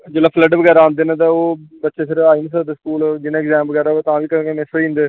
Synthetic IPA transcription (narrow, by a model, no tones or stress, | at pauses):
d͡ʒelaːpʰləɖʋəɡɛːɾaãːnd̪eːnãːt̪ãːoːbət̪ːʃeːsɪɾaːiːnis̬əd̪eskuːld͡ʒɪnãːɛɡzɛ̃ːmʋəɡɛːɾaːt̪ãːʋiːkəɾɡeːnesĩːnd̪eː